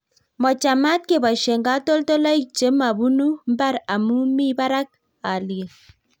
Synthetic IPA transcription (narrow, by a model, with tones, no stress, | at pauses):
mɔ˨t͡ʃa˨ma˦t̚ke˨ba˨ʃe˨ŋɡa˦to˦lto˦la˦i˦t͡ʃe˨˦ma˨bu˦nu˦m˦ba˦ɾa˨mu˦mi˦ba˦ɾa˦k̚ | a˨li˨e˨